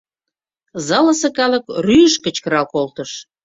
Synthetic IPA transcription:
zɑlə̆sɤ̆kɑlə̆kryjəʃkə̆t͡ɕkə̆ɾɑlkolt̪ə̆ʃ

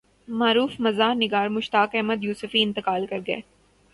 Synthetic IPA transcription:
maːɾuːfmɐzaːɾnɪɡaːɾmʊʃt̪aːkɛɦməd̪juːsʊfiɪ̃nt̪ɪkaːlkɐɾɡɐḛː

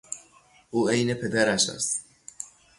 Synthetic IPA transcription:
ʔuːejnepʰed̪æɾæʃæ̰st̪

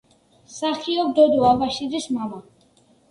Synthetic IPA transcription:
saχiɔbd̪ɔd̪ɔabaʃiɾismama

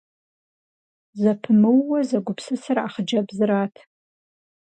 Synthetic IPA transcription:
zɐpʰɨmɨwːɐzɐɡʷʊpʰsɨsɨraχəd͡ʒɐbzɨɾaːtʰ

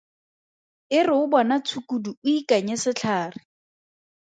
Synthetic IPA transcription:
ɪrɪʊbɔnat͡sʰukuduʊikaɲɛsɪt͡ɬʰaːrɪ

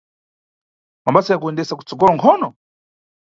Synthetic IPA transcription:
mambasajak̬uɛndɛsaku̥t͡sɔɡɔlɔŋkʰɔːnɔ

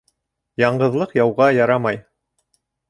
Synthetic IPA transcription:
jɑɴɢɤ̆ðlˠɤqjɑwʁɑjɑɾɑmɑj

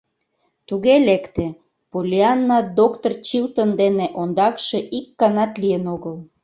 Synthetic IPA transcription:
t̪uɣelekt̪ĕ | polʲiɑnːɑd̪okt̪ort͡ɕilt̪ənd̪eneʔond̪ɑkʃeʔikːɑnɑt̪lijənoɣəl

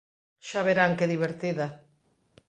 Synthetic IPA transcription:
ʃaβeɾaŋkeðiβ̞eɾt̪iða

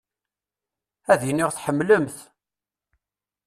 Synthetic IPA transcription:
æðjənːiʁθħəmːləmθ

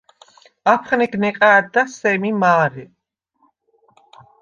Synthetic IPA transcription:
apʰχnɛɡnɛkʼaːd̪asɛmimaːɾɛ

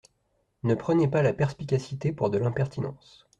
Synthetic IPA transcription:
nəpχənepalapɛʁspikʲasit̪epuʁd̪əlɛ̃pɛʁt̪inɑ̰̃ːs

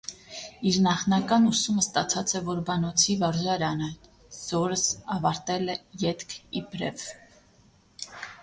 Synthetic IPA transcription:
iɾnɑχnɑkɑnusuməst̪ɑt͡sʰɑt͡sʰɛvɔɾbɑnɔt͡sʰivɑɾʒɑɾɑnɛ | z̥ɔɾəsɑvɑɾt̪ɛlɛjɛt̪kʰibɾɛv

